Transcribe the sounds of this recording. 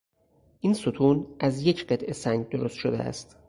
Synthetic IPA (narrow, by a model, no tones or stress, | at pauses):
ʔinsot̪ʰuːnʔæzje̞cʰɢe̞t̪ʔe̞sæŋɡɟ̚d̪oɾo̞st̪ʃod̪eæ̰st̪